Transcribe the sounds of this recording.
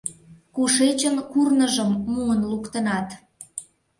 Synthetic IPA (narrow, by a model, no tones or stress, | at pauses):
kuʃet͡ɕənkurnəʒəmːuənlukt̪ənɑt̪